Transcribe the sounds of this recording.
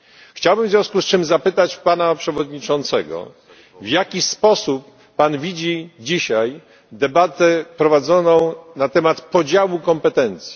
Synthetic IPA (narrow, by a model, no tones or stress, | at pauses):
xt͡ɕawbɘmvzʲjɔ̃w̃skust͡ʂɘmzapɘt̪at͡ɕpanapʂɛvɔd̪ɲit͡ʂɔnt̪sɛɡɔ̰ | vjakʲispɔsupː | anvʲid͡ʑid͡ʑiɕaj | d̪ɛbat̪ɛpɾɔvad̪zɔnɔ̃w̃nat̪ɛmat̪pɔd͡ʑawukɔmpɛt̪ɛnt̪sʲji̥